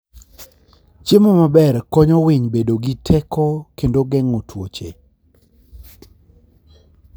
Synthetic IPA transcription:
t͡ʃemomabɛrkɔɲɔwɪɲbedoɡitʰɛkʰɔkendoɡɛŋotwot͡ʃe

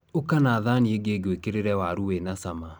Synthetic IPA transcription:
okanaːðanieɡeɡekeɾeɾɛwaɾuwenasama

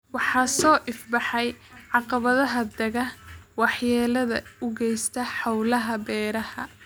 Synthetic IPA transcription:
wɑħɑːsɔːʔɪfbɑħɑjʕɑqɑβɐðɐɦɐd̪ɐɣɐwɑħjɛːlɐðɐʊɡɛjst̪ʰɐħɑwlɐɦɐbɛːɾɐhɐ

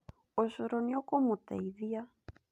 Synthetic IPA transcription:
osoɾonjokomot̪ejðia

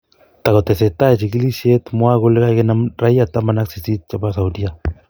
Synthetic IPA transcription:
t̪aɣot̪eset̪aet͡ʃiɡlisiet̪moaɣoleɣaɣenarajat̪amanaksisit̪̚t͡ʃapasawd̪ia

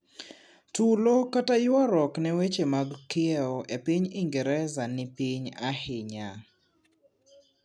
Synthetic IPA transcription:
tulokatajʊaɾɔknɛwet͡ʃemaɡkɪɛɔʔepiɲɪŋɡɛɾɛzanɪpiɲahɪɲa

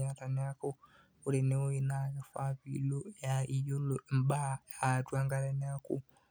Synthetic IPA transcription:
ataneako | oɾeneojinaɣafaβilojaijolombaatwaːŋɡaɾeneakṵ

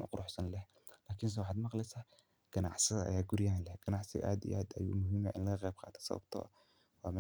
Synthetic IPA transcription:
ʔʊ̰qʊɾʔʊħsɐnlɛh | laːkʰɪns̬ɛwɑħɑːd̪mɑqlɛjsaː | ɡ̥ɐnɑ̰ʕsɪðɐʔɐ̰jaːɡʊɾjanlɛɡ̥ɐnɑʕsɪ̰ɣ̰ʔaːd̪ḭʔaːd̪ɐjṵːmʊɦiːmaʔɪnlɐɣɐqɛjb̚qɑ̰ːt̪ʰɐ̥sɐ̰βɐ̰bt̪ʰɔ̰ | wɑ̰ːmɛ

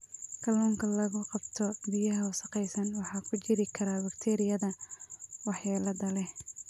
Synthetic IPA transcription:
kʰɐlɔːŋkʰɐlɐɣʊqɑbt̪ʰɔbijɐɦɐʊsɐqɛjsɐnwɑħɑːkʰʊt͡ʃɪɾɪkʰɐɾaːbɐkt̪ʰɛːɾɪjɐðɐ | wɑħjaːlɐðɐlɛh

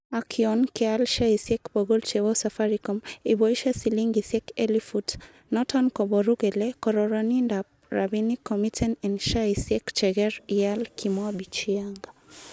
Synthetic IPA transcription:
akʰiɔnkɛalʃaisjɛkboɡolt͡ʃɛwɔsafaɾikɔmibɔiʃɛsiliŋɡisɛkɛlifut | nɔtʰɔnkɔbɔɾuɡɛlɛkɔɾɔɾɔnindap̚ | ra̰binikʰːɔmitʰɛnɛndʃaisjɛkt͡ʃɛɡɛɾialkʰimɔabit͡ʃiaŋɡa

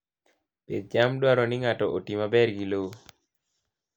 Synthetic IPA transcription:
ped̪̚d͡ʒamdwaɾɔniŋatɔʔotimabɛrɡilowo

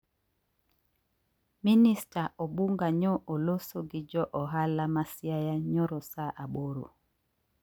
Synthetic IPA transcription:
ministaʔɔɓuŋɡaɲɔʔolosoɡɪd͡ʒɔʔɔɦalamasjajaɲɔɾɔsaʔaɓoɾo̰

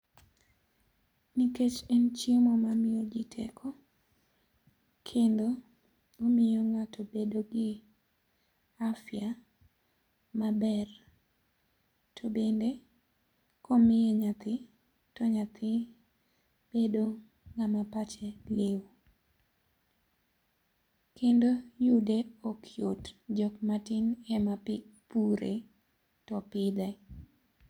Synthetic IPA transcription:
niket͡ʃɛnt͡ʃjemɔmamɪjod͡ʒɪtʰḛkʰɔ | kʰendo | omɪjoŋatʰobedoɡɪ | afja | mabɛr | tʰobende | komɪjeɲat̪ɪ | tɔɲat̪ʰɪ | b̥edo | ŋamapat͡ʃɛlew | kendojudeokʰjotd͡ʒɔk̚matɪnɛmapuɾḛ | tɔpɪd̪ɛ

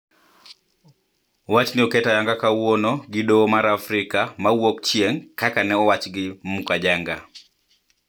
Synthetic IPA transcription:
wat͡ʃnɪɔkɛtajaŋɡakawonoɡɪdomaɾafɾɪkamawokt͡ʃieŋkakanɛɔwat͡ʃɡɪmukad͡ʒaŋɡa

